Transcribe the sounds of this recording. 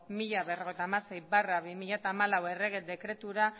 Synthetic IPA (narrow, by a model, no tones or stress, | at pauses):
miʎaβero̞ɣ̞ejt̪aːmasejβaraβimiʎat̪aːmalawe̞re̞ɣed̪e̞kɾe̞t̪uɾa